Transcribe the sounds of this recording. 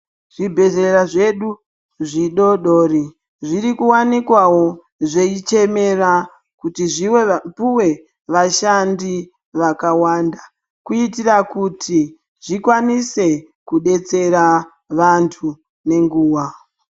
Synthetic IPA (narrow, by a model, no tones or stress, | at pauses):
ʐ̥ibʱe̞ze̞raʐe̞ɗu | ʐiɗo̞ɗo̞ːri | ʐiɾikuwanikwawo̞ | ʐe̞it͡ʃe̞me̞ra | kutiʐiwepuwe̞ | ʋaʃandi | ʋakawanda | kuitirakutʰi | ʐ̥ikwanise̞ | kuɗe̞t͡se̞ɾa | ʋantʰu | ne̞ŋɡuːwa